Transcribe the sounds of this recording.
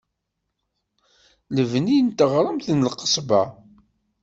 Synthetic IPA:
ləvnint̪əʁɾˤəmθnəlqːə̥sˤbɑ

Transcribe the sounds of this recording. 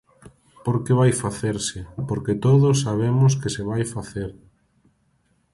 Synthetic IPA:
poɾkeβajfaθeɾsɪpoɾket̪oðos̬ːaβ̞emʊskesɪβajfaθeɾ

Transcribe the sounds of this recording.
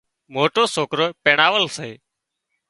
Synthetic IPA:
moːʈoːsoːkɾoːpeːɳaːʋəlseː

